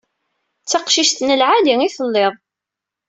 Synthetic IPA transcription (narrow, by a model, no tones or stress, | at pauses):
t͡sːɑqʃiʃt̪nəlʕaliiθəlːeðˤ